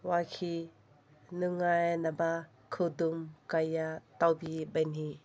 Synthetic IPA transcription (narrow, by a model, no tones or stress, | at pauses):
wakʰi | nuŋajnaba | kʰɯdumkajatawbibajni